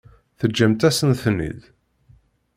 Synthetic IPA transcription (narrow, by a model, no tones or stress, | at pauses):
θəd͡ʒːæmt̪æsənθnḭð